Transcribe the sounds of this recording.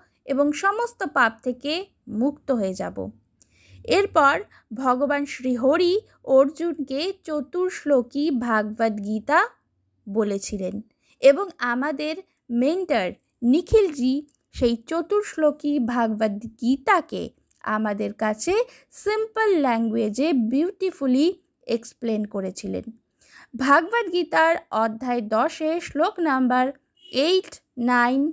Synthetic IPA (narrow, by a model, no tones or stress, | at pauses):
eboŋʃɔmost̪opap̚t̪ʰeke | mukt̪oɦoed͡ʑa̰bo̰ | eɾpɔɾ | bʱɔɡobanʃɾiɦoɾi | oɾd͡ʑunket͡ɕot̪uɾʃlokibʱaɡ̚bad̪ɡit̪a | bolet͡ɕʰilen | eboŋamad̪eɾ | meɳʈaɾ | nikʰild͡ʑi | ʃejt͡ɕot̪uɾʃlokibʱaɡbad̪ɡit̪akḛ | a̰mad̪eɾkat͡ɕʰe | simpəlːɛŋɡwed͡ʑebiwʈifuli | eksplenkoɾet͡ɕʰilḛn | bʱaɡbad̪ɡit̪aɾɔd̪ʱːaed̪ɔʃeʃloknambaɾ | ejʈːajn